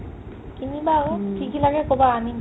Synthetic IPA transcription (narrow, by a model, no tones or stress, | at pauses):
kinibakikilaɡɛkobaːmi